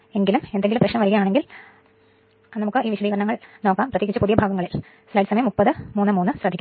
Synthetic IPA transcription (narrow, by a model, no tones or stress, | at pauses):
e̞ŋɡilume̞nd̪e̞ŋɡilumprɐʂɕɳɐmʋɐɾiɣɐjaːɳeŋɡil | nɐmukːɨiːʋiɕɐd̪iːɣɐɾɐɳɐŋːɐɭno̞ːkːaːmprɐt̪jiːkit͡ɕːɨpuðijɐbʱaːɡɐŋːɐɭil | slaːjʈɨsɐmɐjɐmːupːɐðɨmuːnːɨmuːnːɨɕrɐd̪ʱikʲːu